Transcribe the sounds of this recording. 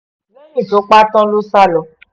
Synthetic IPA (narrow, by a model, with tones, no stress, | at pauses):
nẽ˦nĩ˨to˨˦k͡pa˦tɔ̃˦lo˦sa˦lɔ˨